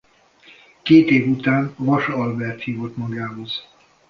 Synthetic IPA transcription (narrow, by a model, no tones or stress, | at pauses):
keːt̪eːvut̪aːnvɒʃɒlbɛrt̪hiːvo̞t̪mɒɡaːɦo̞z̥